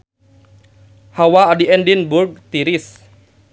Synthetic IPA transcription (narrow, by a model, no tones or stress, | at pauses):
hawaːdiɛndinburɡ̚t̪iɾis